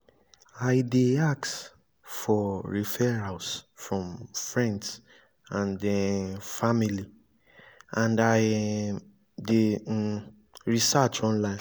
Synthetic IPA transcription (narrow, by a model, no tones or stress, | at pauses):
ajdeaks | fɔɹifɛɹasfɹɔ̃mfɹɛ̃nds | ãndɛfamili | ãndaj | de | ɹisat͡ʃɔ̃nlãɪ̃n